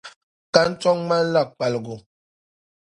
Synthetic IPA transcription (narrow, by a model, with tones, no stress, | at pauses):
ka˦n̩˦t͡ʃɔ˦ŋma˦n˦la˦˨k̚k͡pa˨lɡu˨